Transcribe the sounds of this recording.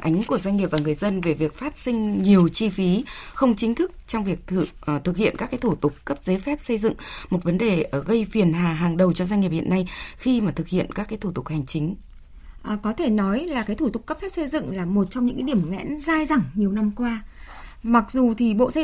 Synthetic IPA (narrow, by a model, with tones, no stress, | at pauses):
ʔa˨˦ŋ̟ku˧˩əzwa˧jŋŋi˨˩p̚vaː˨˩ŋɨ˨˩əjzə˧nve˨˩vi˨˩ək̚faː˦˥t̚sï˧ŋ̟ɲi˨˩əwt͡ɕi˧fi˨˦xə˧wŋ͡mt͡ɕï˨˦ŋ̟t̪ʰɨ˦˥k̚t͡ɕɔ˧wŋ͡mvi˨˩ək̚ːt̪ʰɨ˨˩k̚hḭ˧˨ənkaː˦˥kːaː˨˦jt̪ʰu˧˩t̪ʊ˨˩k͡p̚ːə˦˥p̚ze˨˦fɛ˦˥p̚sə˧jzɨ̰˧˨ŋmo˨˩t̚və˨˦nɗe˨˩ʔɣə˧jfi˨˩ənɦaː˨˩ɦaː˨˩ŋɗə˨˩wt͡ɕɔ˧zwa˧ŋi˨˩p̚hḭ˧˨ənːa˧jxi˧maː˨˩t̪ʰɨ˨˩k̚hḭ˧˨ənkaː˦˥kːaː˨˦jt̪ʰu˧˩t̪ʊ˨˩k̚ha˨˩jŋ̟t͡ɕï˨˦ŋ̟ | ʔkɔ˨˦t̪ʰe˧˩nɔ˨˦jlaː˨˩kaː˨˦jt̪ʰu˧˩t̪ʊ˨˩kːə˦˥p̚fɛ˦˥p̚sə˧jzɨ̰˧˨ŋlaː˨˩mo˨˩t̚t͡ɕɔ˧wŋ͡mɲɨ̰˧˥kːa˨˦ɗi˧˩ə˨mŋɛ̰˧˥nzaː˧jza˨˧˩ŋɲi˨˩əwna˧mkwaː˧ | ma˨˩k̚zu˨˩t̪ʰi˨˩ɓo̰˧˨sə˧